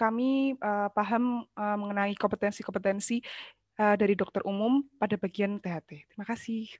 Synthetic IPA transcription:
kamiʔəpaɦəməməŋənaikɔmpət̪ɛnsikɔmpət̪ɛnsi | ədaɾidɔk̚t̪ərʔumʊmpadabaɡiant̪eɦat̪et̪ɾimakasɪh

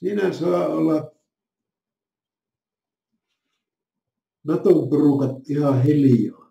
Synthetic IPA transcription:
siːnæsɑˑːolːɑ | nɑt̪omporukɑt̪ʔihɑhelijoː

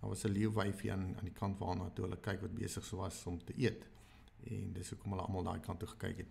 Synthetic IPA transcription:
ɑ̰vɐsəliəwvɛjfiɐ̰nɐ̰ndikɐntvɑ̰ːlˠnɑːtuɦələkɛjkvɐt̚bḭəsəχsuəvɐsɔmtəʔiət | ɛndəsuəkɔmɦələ̰ʔɑ̰məlˠdɑ̰ːikɐntːuχə̥kɛ̰jkɛt̚

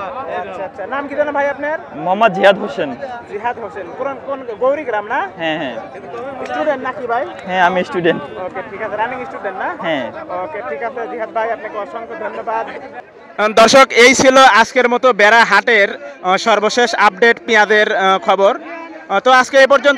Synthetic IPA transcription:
aʃʰaatːʃʰanamkit̪enabʱajapneɾmɔmad͡ʑiɦad̪ɦosend͡ʑiɦad̪ɦosenkonkonɡowɾiɡɾamnaɦɛ̃ɦɛ̃ | sʈuɖeɳʈnakibʱajɦɛ̃amisʈuɖeɳʈokeʈʰikasʰeɾaniŋsʈuɖeɳʈnaɦɛ̃okeʈʰikasʰed͡ʑiɦad̪̚bʱajapnekonʃɔŋkʰod̪ʱonːobad̪ | d̪ɔɾʃokejt͡ɕʰiloaskeɾmɔt̪obɛɾaɦaʈeɾʃɔɾboʃeʃap̚ɖeʈpijad̪eɾkʰɔboɾt̪oaskeep̬ɔɾd͡ʑon

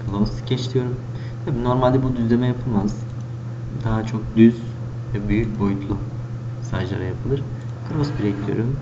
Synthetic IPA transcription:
kʰalˠamɯsɯ̥cʰet͡ʃt̪ʰʲijo̞ɾum | t̪ʰabiːno̞ɾmalʲd̪ɛbud̪yzlʲe̞mɛjapʰɯlˠmaz̥ | d̪aɦat͡ʃʰo̞k̚d̪yz | vɛbyjyc̚ʲbo̞jut̪ʰlˠu | sa̰ʒlˠa̰ɾa̰japʰɯlˠɯɾ | kʰɯɾosbiɾɛɟid̪ʲjo̰ɾum

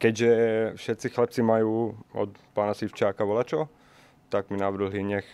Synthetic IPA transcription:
kɛɟʒɛfʃɛt̪t͡sixlɛp̚t͡simajuːɔ̰t̪paːnasift͡ʃɪaːkaʋɔlat͡ʃɔ | t̪aɡminaʋr̩ɦliɲɛx

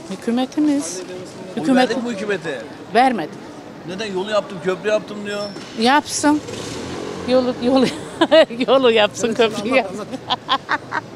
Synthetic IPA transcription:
hycʰymet̪ʰimiz̥ | hyyːmet̪ykymet̪ʰɪ | væɾmed̪ɪm | nɛd̪ɛjolˠujapt̪ɯmcʰøplʲyjap̚t̪ʰɯmd̪ijo | japsɯn | jojolˠ | jolˠujapsɯnkʰøpɾijapsɯ

